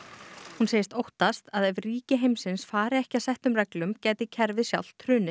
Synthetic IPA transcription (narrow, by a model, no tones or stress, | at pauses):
hunseːjɪst̪owht̪ast̪aðɛvriːcɪɦejmsɪnsfaːɾɪɛhcɪasɛht̪ʏmrɛklʏmcɛːjt̪ɪcʰɛɾvɪðsja̰wl̥t̪ʰːɾʏːnɪ